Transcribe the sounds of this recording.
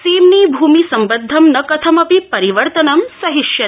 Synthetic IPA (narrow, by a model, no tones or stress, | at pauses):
simnibʱumisɐmbəd̪ʱːɐmnɐkɐt̪ʰɐmɐpipɐɾiʋəɾt̪ɐnɐmsɐɦɪʃjɐ